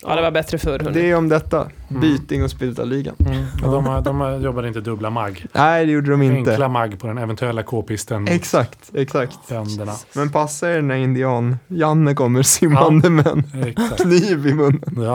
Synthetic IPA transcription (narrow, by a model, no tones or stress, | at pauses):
d̪ɛvabɛt̪ɾəfœɾd̪ɛɔmd̪ɛt̪ːa̰ | byːt̪ɪŋɔspɪlt̪a̰liːɡa̰nd̪ɔmd̪ɔmjɔbːad̪əɪnt̪əd̪ɵblamaɡːnʔæɪd̪ɛjuːɖəd̪ɔmɪntŋəlamaɡːpʰɔd̪ɛnɛvɛnt̪ʉɛlːakʰoːpɪst̪ənɛksakt̪ɛksakt̪bɛnd̪əɳamɛnpʰasːaɪɖɛnæɾɪnd̪ɪɑːnjanːəkɔmːəɾsɪmːand̪əmɛ̰nkʰniːvɪmɵnːən